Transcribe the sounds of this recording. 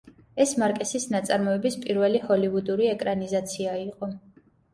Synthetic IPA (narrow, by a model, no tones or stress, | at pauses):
ɛsmaɾkʼɛsisnat̪sʼaɾmɔɛbispʼiɾvɛlihɔliud̪uɾiɛkʼɾanizat̪sʰiaiqʼɔ